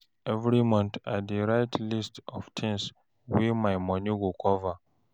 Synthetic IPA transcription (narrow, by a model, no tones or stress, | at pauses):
ɛvɹimɔ̃nθa̰tdiɹaɪtlistɔ̰v̥tʰĩŋs | wimaɪmɔ̃niɡukʰɔva